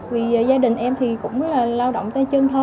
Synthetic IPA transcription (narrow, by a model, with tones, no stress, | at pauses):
vi˨˩˨zaː˧ɗï˨˩ŋ̟ʔɛ˧mt̪ʰi˨˩kʊ̰˧˥ŋ͡mlaː˨˩laː˧wɗo̰˧˨wŋ͡mt̪a˧˦t͡ɕɨ˧ŋt̪ʰo˧